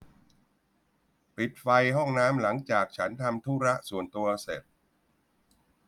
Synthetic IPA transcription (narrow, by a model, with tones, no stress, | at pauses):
pi˨˩t̪̚fa˧jɦɔ˥˩ŋnaː˦˥mla˩˦ŋt͡ɕaː˨˩k̚t͡ɕʰa˦˥nt̪ʰa˧mt̪ʰuː˦˥ɾa˦˥ʔsu˨˩ənt̪u˧ɐse˨˩t̪̚